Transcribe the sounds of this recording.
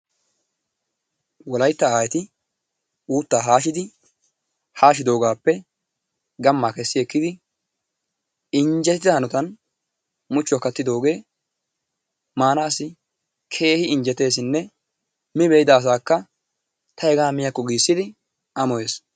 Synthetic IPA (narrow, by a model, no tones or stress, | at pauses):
wɔlɐjt̪ːɐaːjɛt̪ɪ | uːt̪ːaːɦaːʃɪd̪ɪ | haːʃɪd̪o̞ːɡaːpːɛ | ɡɐmːakɛsːɪɛkːɪd̪ɪ | ɪɲd͡ʒɛt̪ɪɪd̪ɐhɐnɔt̪ɐn | mʊt͡ʃːɔkːɐt̪ːɪd̪o̞ːɡe̞ː | maːnɐːsɪ | kʰe̞ːhɪɪɲd͡ʒɛt̪e̞ːs̬ɪnːɛ | mɪbejɪd̪ɐːs̬aːkːɐ | t̪ʰɐɛɡaːmɪjɐkːɔɡiːsːɪd̪ɪ | ʔɐmɔjeːs